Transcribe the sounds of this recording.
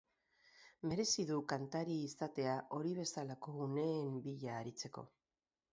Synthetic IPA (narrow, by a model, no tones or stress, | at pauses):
me̞ɾe̞siðukant̪aɾiːst̪at̪e̞aʔo̞ɾiβ̞e̞salako̞ɣune̞ːmbiʎaːɾit͡se̞ko̞̰